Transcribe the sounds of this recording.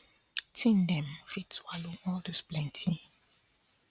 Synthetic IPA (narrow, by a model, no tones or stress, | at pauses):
tʰĩndɛ̃mfitswaloɔldəsplɛ̃ntʰi